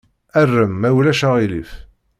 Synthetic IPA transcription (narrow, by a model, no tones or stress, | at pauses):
ærːəmːæwlæʃaʁilḭf